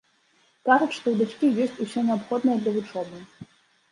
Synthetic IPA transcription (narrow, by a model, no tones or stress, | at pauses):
kaʐut͡sʲʂt̪ɔwd̪at͡ʂkʲijɔsʲt͡sʲusʲɛnʲɛapxɔd̪nɐjɐd̪lʲɐvut͡ʂɔbɨ